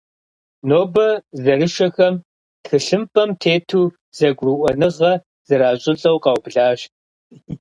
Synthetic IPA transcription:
noːbɐzɐrɨʃɐxɐm | txɨɬɨmpʼɐmtʰeːtʰuː | z̥ɐɡʷruʔʷɔnɨʁɐ | z̥ɐɾaːɕʼɪt͡sʼɐwqɑwbɮaːɕt

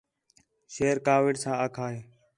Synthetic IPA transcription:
ʃeːɾkaːʋɪɖsãːaːkʰaːɦeː

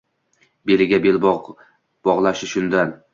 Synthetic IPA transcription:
beɾɪɡʲabelb | b̥ɒʁlˠaʃɪʃʊnd̪an

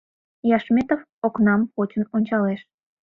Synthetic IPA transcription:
jɑʃmet̪ov | oknɑmpot͡ɕənonʲt͡ɕɑleʃ

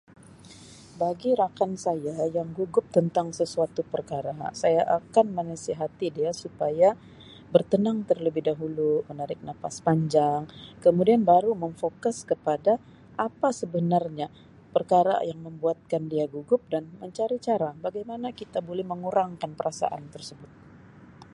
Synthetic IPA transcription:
baɡiɾakansajajaŋɡuɡʊp̚t̪ənt̪aŋsəsuat̪upərkaɾasajaʔakanmənəsiɦat̪idiasupaja | bərt̪ənaŋt̪ərləbɪhdaɦulumənaɾɪk̚nafaspaɲd͡ʒaŋkəmudianbaɾuməɱfokʊskəpada | ʔapasəbənarɲa | pərkaɾa̰jaŋməmbuat̪̚kandiaɡuɡʊp̚danməɲt͡ʃaɾit͡ʃaɾabaɡajmanakit̪abolɛhməŋuɾaŋkanpəɾasa̰ʔa̰nt̪ərsəbʊt̪̚

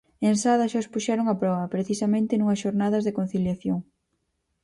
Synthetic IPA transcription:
ensaðɐʃaospuʃɛɾoŋɐpɾɔβɐpɾeθisɐmẽnt̪ɪnuŋɐsʃoɾnaðɐzðekon̟θiljaθjoŋ

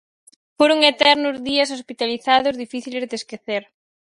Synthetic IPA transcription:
foɾoŋet̪ɛɾnʊzðiɐs̬ospit̪aliθaðʊzðifiθilezðeskeθeɾ

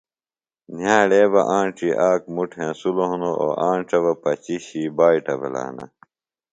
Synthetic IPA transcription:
njaːɽeːbɐʔãːɳʈ͡ʂiʔaːkmuʈʰẽːsuloɦunoʔoːʔaːɳʈ͡ʂɐβɐpɐt͡ɕiɕiːbaːiʈɐbɐla̰ːnɐ̰

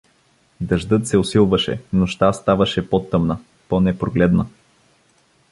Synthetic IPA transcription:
d̪ɐʒd̪ɤt̪sɛʊsilˠvɐʃɛ̰noʃt̪ast̪avɐʃɛpot̪ːəmnə | ponɛpɾoɡlɛd̪nə

